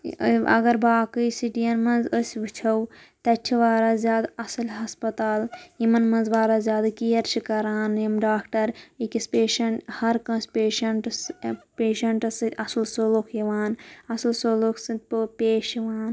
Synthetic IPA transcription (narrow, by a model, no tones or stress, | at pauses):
ɐ̰ɡɐɾbaːkɨjsiʈijɐnmɐ̃nzəsʲʋit͡ʃʰɐw | t̪ɐt͡ʃʲʰiʋaːɾaːzjaːd̪ɐsɐlɦɐspɐt̪aːljimɐnmɐ̃nzʋaːɾaːzjaːd̪akijɐɾt͡ʃʰikɐɾaːnɐmɖaːkʈɐɾikispeːʃɐɳʈhɐɾkɐ̃nsʲpeːʃɐɳʈspeːʃɐɳʈɐsɨɐslsolokʰjiʋaːnɐsɐlsolukʰsɨnt̪̚pɨpeːʃiʋaːn